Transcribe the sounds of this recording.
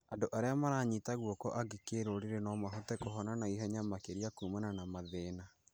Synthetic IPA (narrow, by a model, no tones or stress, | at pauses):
andoʔaɾeamaɾaːɲitaɣwɔkɔʔaɡekeɾoːɾeɾenɔmaɦotɛkoɦɔnanaiɦɔɲamakeɾiakuːmananamaðeːna